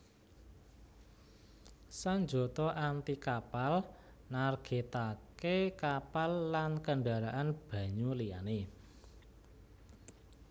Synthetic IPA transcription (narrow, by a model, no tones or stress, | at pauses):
saɲd͡ʒo̤t̪ɔʔant̪ikapal | narɡ̥et̪akekapalːankəɳɖaɾaʔanb̥ä̤ɲulija̰ne